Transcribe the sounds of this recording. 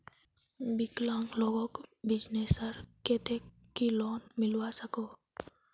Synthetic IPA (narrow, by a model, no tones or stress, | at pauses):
biklaŋlɔɡɔkbid͡ʒnesaɾket̪ɛkkːilɔnmilwasakɔ